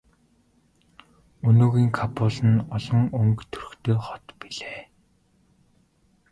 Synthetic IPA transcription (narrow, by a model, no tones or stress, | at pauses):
ɵnoːɣiːŋkʰapʰʊːɮə̆nɔɮɞ̆ŋɵŋkt̪ʰɵrɵ̆xt̪ʰeːχɔt̪piɮeː